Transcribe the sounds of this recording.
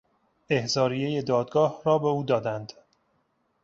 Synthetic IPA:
e̞hzɒːɾije̞je̞d̪ɒːd̪ɡɒːhɾɒːbe̞uːd̪ɒːd̪ænd̪

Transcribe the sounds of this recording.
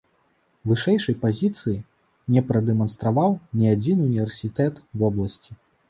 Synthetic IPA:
vɨʂɛjʂɐjpazʲit̪sɨji | nʲɛpɾɐd̪ɛmɐnst̪ɾavawnʲiad͡zʲinɨunʲivʲɛrsʲit̪ɛt̪vɔblˠɐsʲt͡sʲi

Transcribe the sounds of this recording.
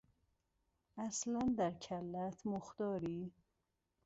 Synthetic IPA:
æslænd̪æɾcʰælːæt̪ʰmoxd̪ɒːɾiː

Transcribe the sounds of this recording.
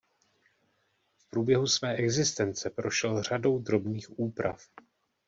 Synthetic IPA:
fpɾuːbjɛɦusvɛːʔɛɡzɪst̪ɛnt͡sɛpɾo̞ʃɛlr̝ado̞wd̪ɾo̞bniːxʔuːpɾa̰f

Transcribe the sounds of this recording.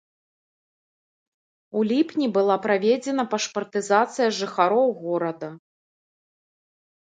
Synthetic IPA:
ulʲipnʲibɨlˠapɾavʲɛd͡zʲɛn̪ɐpɐʂpɐrt̪ɨzat̪sɨjɐʐɨxaɾɔwɣɔɾɐd̪ɐ

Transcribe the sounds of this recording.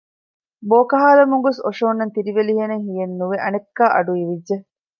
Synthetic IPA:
boːkɐɦaːlɐmuŋɡosoʂoːnːɐnt̪iɾiʋeliɦeneŋɦijenːuʋeʔɐnekːaːʔɐɖuiʋidːʒe

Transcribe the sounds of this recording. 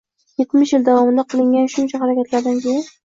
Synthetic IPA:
jet̪mɪʃjɪld̪avɒmɪnd̪aqʰɨlˠɪŋɡʲanʃʊnt͡ʃʰahaɾakʲat̪laɾd̪ankʲeja

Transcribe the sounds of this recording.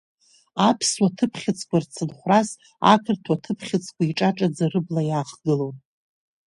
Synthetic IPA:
apʰswatʰɨpʰχʲɪt͡sʰʼkʷart͡sʰɨnχʷras | a̰kʰɨrtʰwatʰɨpʰχʲɪt͡sʼʰkʷʰaiʈ͡ʂʼaʈ͡ʂʼad͡zarɨblajaːχɡɨlon

